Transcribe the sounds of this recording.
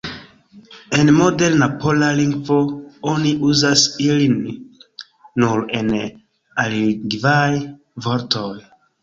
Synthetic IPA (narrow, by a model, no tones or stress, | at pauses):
enmodelnapolaliŋɡvooniʔuzasilin | uɾen | aliɡvaj | voɾtʰoj